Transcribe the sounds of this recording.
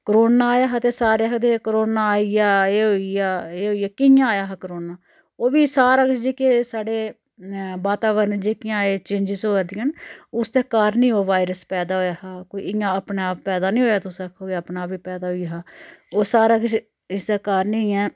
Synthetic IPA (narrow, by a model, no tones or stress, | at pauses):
kəɾoːnaːaːjaːɦaːt̪eːsaːɾeːəkd̪eːkɾoːnaːaːijaːeːɦoːiaːeːɦoːiaːkɪjãːaːjaːɦaːkəɾoːnaː | oːʋiːsaːɾakɪt͡ʃd͡ʒeːkesaːɖeː | baːt̪aːʋəɾnd͡ʒeːkɪãːeːt͡ʃẽːnd͡ʒɪsoːɾd̪ijãːnʊsd̪aːkaɾnĩːɦoːʋaːiɾəspɛːd̪aːɦoːjaːhaːkoːḭːɪjãːəpɳeaːpːɛːd̪aːnĩːɦoːjaːt̪ʊsəkʰoːəːpnaːpʋiːpɛːd̪aːɦoiɦaːoːsaːɾaːkt͡ʃ | ɪsd̪aːkaɾnĩɛː